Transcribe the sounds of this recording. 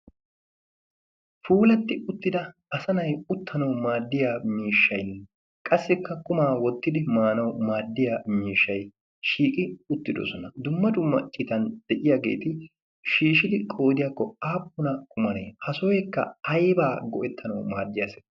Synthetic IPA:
fuːlɐt̪ːɪʊt̪ːɪd̪ɐɐsɐnɐjʊt̪ʰːɐnɐwmaːd̪ːɪjaːmiːʃːɐjn | kʼɐsːɪkːɐkʊmaːwɔt̪ːɪd̪ɪmaːnɐwmaːd̪ːɪjaːmiːʃːɐj | ʃiːkʼɪʊt̪ːɪd̪ɔ̰sɔnɐd̪ʊmːɐd̪ʊmːɐ̰t͡ʃʼɪt̪ɐnd̪̥ɛʔɪjaːɡe̞̰ːt̪ɪ | ʃiːʃɪd̪ɪkʼo̞ːd̪ɪjaːkːɔaːpːʊnɐkʰʊmɐnḛːhɐsɔjɛkːɐ̰ɐjbaːɡɔʔɛt̪ʰːɐnɐwmaːd̪ːɪjasɛ̥

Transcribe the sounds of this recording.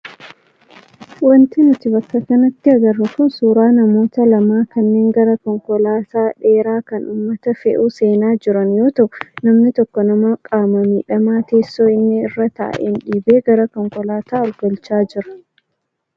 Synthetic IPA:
wɐnt̪ɪnʊt̪ɪbɐkːɐkɐnɐt̪ːɪɐɡɐrːʊkʊnsuːɾaːnɐmo̞ːt̪ɐlɐmaːkɐnːeːŋɡɐɾɐkɔŋkɔlaːt̪aːᶑe̞ːɾaːkɐnʔuːmːɐt̪ɐfɛ̰ʔuːse̞ːnaːd͡ʒɪɾɐnjo̞ːt̪ɐʔnɐmnɪt̪ɔkːɔnɐmaːkʼaːmɐmiːᶑɐmaːt̪eːsːoːɪnːɪɪrːɐt̪a̰ːʔɛ̰nᶑiːbeːɡɐɾɐkɔŋkɔlaːt̪aːɔlɡɐlt͡ʃaːd͡ʒɪɾɐ̥

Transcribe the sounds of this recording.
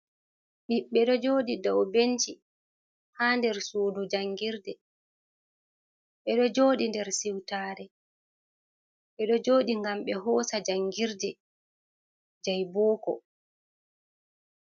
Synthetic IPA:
ɓiɓːɛɗɔd͡ʒoːɗidɔwbent͡ʃi | haːndɛɾsoːdud͡ʒaŋːɡiɾdɛ | ɓɛɗɔd͡ʒoːɗindɛɾsiwtaːɾɛ | ɓɛɗɔd͡ʒoːɗiŋɡamɓɛɦɔːsad͡ʒaŋɡiɾdɛ | d͡ʒajbɔːkɔ̰

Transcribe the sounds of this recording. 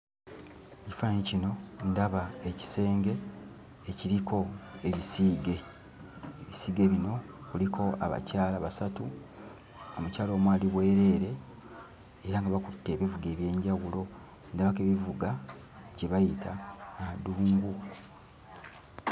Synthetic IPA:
eci̥faaɲicino̞ndaβaeci̥se̞ːŋɡe̞ː | ciɾikʰo̞e̞βisiːɡe̞ | eβisiːɡe̞ːβino̞ | kulikʰo̞a̰βa̰caːlaβasatu | omucaːlo̞ːmwaːliβwe̞ːɾe̞ːɾe̞ː | ɾaŋɡaβakutːe̞ːβivuɡe̞ːβje̞ːɲɟawulo̞ | ndaβake̞ːβivuɡa | ɟe̞βajitʰaːaduːŋɡu

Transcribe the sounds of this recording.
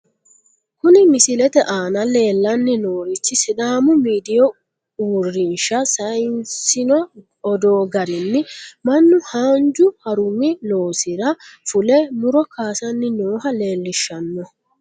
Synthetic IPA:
kʊnɪmɪsɪlɛt̪ɛʔaːnɐle̞ːlːɐnːɪnoːɾɪt͡ʃːɪsɪd̪aːmʊmiːd̪ɪjɔ | uːrːɪnʃɐsɐjnsɪnɔ | ɔd̪oːɡɐɾɪnːɪmɐnːʊhaːnd͡ʒʊhɐɾʊmːɪloːsɪɾɐfʊlɛmʊɾɔkʰaːsɐnːɪnoːɦɐle̞ːlːɪʃːɐnːɔ

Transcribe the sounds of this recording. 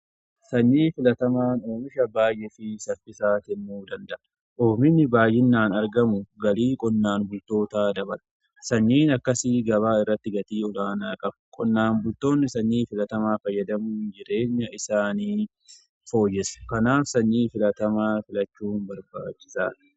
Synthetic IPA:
sɐɲːiːfɪlɐt̪ɐmaːno̞ːmɪʃɐbaːjʔɛfɪsɐfɪsaːt̪ɪmːuːd̪ɐnd̪ɐʔɐ | ʔoːmɪnːɪbaːjɪnːaːnɐɾɡɐmʊɡɐliːkʼɔnːaːnbʊlt̪o̞ːt̪aːd̪ɐbɐlɐ̥ | sɐɲːiːnɐkːɐsɪɡɐβaːɪrːɐt̪ːɪɡɐt̪iːɔlaːnaːkʼɐbkʼɔnːaːnbʊlt̪o̞ːnːɪsɐɲːiːfɪlɐt̪ɐmaːkɐjɐd̪ɐmuːnd͡ʒɪɾe̞ːɲːɐʔɪsaːniː | fo̞ːjːɛsɐ̥kɐnaːfsɐɲːiːfɪlɐt̪ɐmaːfɪlɐt͡ʃːuːnbɐɾba̰ːt͡ʃːɪsa̰ː

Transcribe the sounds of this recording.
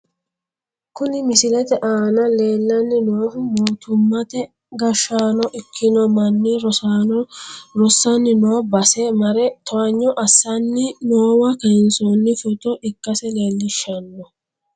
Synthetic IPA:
kʊnɪmɪsɪlɛt̪ɛʔaːnɐle̞ːlːɐnːɪnoːfʊmoːt̪ʊmːɐt̪ɛ | ɡɐʃːaːnɔʔɪkʰːɪnɔmɐnːiɾɔa | ɾɔsːɐnːɪnoːbɐsɛmɐɾɛt̪ɔɐɲːɔʔɐsːɐnːɪnoːwɐkɐnsɔnːɪfʊt̪ɔʔɪkːɐsɛleːlːɪʃːɐnːɔ

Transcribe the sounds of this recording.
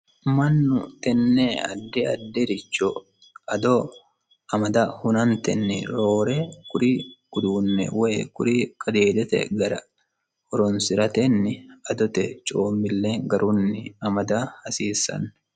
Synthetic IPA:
mɐnːʊt̪ɛnːeːɐ̰d̪ːɛɐ̰d̪ːɛɾɪt͡ʃːɔ | ɐd̪ɔ | ɐmɐd̪ɐhʊnɐnt̪ɛnːɪ̰ɾo̞ːɾekʊɾikʊd̪uːnːɛ̰wɛkʊɾiːkʼɐd̪eːd̪ɛt̪ɛ̰ɡɐɾɐ | ɔɾɔnsɪɾɐt̪ɛnːɪɐd̪ɔt̪ɛt͡ʃʼoːmːɪlːeːŋɡɐɾʔunːɪɐmɐd̪ahɐsiːsɐ̰nː

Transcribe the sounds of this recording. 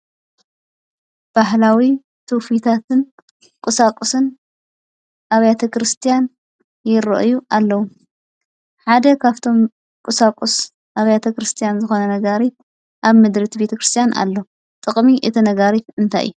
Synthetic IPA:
b̥ahlawi | t̪ʰufit̪ʰat̪ʰɨn | kʼɨsakʼusɨn | ʔaβjat̪ʰɐkɾɨst̪ʰijan | jɪɾɐ̰ʔjuʔalːɐwu | ħad̪ɐkʰaβt̪ʰo̞m | kʼɨsakʼus | ʔaβjat̪ʰɐkɾɨst̪ʰijanzɨxo̞nɐnɐɡaɾit̪̚ | ʔaβmɨd̪ɾit̪ʰbet̪ʰɐkɾɨst̪ʰijanʔa̰lːo | t̪ʼɨkʼmiʔɨt̪ʰinɐɡaɾit̪ɨnt̪ʰa̰j̰ju

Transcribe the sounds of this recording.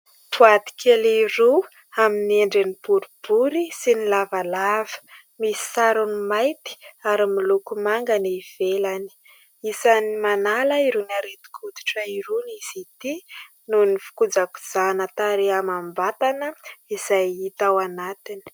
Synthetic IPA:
puat̪i̥kʲʰeliru | aminieɳɖ͡ʐenipuɾub̥uɾisinilavalavə̥ | misi̥saɾunimajt̪i̥aɾimilukumaŋɡaniiv̥elani̥ | isanimanaləiɾunaɾet̪u̥kʰut̪i̥ʈ͡ʂəiɾuniz̥it̪i | nunifu̥kud͡zaku̥z̥anət̪aɾeamambat̪anəizajit̪awanat̪ini̥

